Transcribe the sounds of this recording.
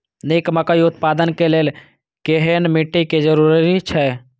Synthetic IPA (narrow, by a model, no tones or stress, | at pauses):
neːkməkəiʊt̪̚paːd̪ənkeleːl | keɦenmiʈːiked͡ʒəɾuːɾit͡ʃʰɛ